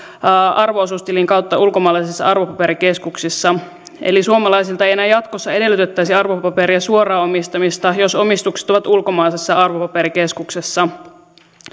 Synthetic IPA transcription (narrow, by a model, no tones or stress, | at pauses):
ʔɑrʋoosust̪eliŋkɑwt̪ːɑʔulko̞mɑːlɑisisːɑ̰ɑrʋo̞pɑpe̞ɾike̞skuksisːɑ | e̞̰lisuomɑlɑjsilt̪ɑejenæːjɑt̪kosːɑe̞de̞lːˑyt̪et̪ːæisiɑrʋopɑpe̞ɾiɑsuorɑːomist̪ɑmist̪ɑjo̞so̞mist̪ukse̥t̪o̞ʋɑt̪ulko̞mɑːjsesːɑɑrʋopɑpe̞ɾike̞skuksesːɑ